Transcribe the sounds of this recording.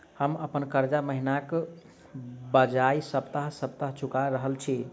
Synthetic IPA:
həməpənkəɾd͡ʒaməɦinak | bəd͡ʒajsəbt̪əɦsəb̚t̪əɦt͡ʃʰukaɾəɦəlt͡ʃʰi

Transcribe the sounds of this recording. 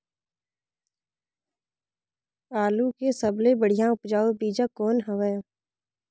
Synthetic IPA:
aːlukesəblebəɽ̤ijãʊpd͡ʒaːobiːd͡ʒakɔːnɦəʋəː

